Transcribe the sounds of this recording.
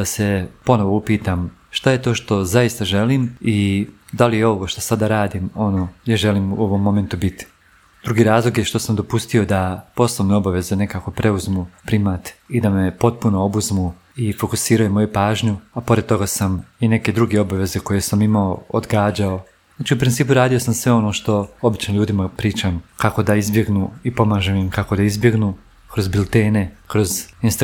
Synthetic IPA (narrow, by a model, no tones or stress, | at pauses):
ase̞po̞no̞ʋoupiːt̪am | ʃt̪aje̞t̪o̞ːʃt̪o̞zaist̪aʒe̞liːmi | d̪alijeo̞ʋo̞ʃt̪o̞̥sad̪aɾaːd̪imo̞noːjaɾʒe̞liːmuo̞ʋo̞mːo̞me̞nt̪ubit̪i̥ | d̪̥ɾuɡiɾaːzlˠo̞ɡjeʃt̪o̞samd̪opust̪io̞d̪apo̞snˠoʋneo̞baʋe̞zene̞kaːko̞pɾe̞uzmupɾimat̪id̪ame̞po̞t̪̚puno̞obuzmu | ifo̞kusiːɾajumo̞jupaːʒɲuapo̞ɾe̞d̪t̪o̞ɡasamine̞ke̞d̪ɾuɡe̞o̞baʋe̞ze̞ko̞jesamimaood̪ɡaːd͡ʑao | zaːt͡ʃiupɾint̪iːp̬uɾaːd̪ijo̞samsʋe̞o̞no̞ːʃt̪o̞obit͡ʃnoʎuːd̪imapɾiːt͡ʃamkako̞d̪aizbje̞ɡnuːipo̞maːʒemimkako̞d̪aizbje̞ɡnuː | kɾo̞zbilˠt̪eːne̞kɾo̞zinst̪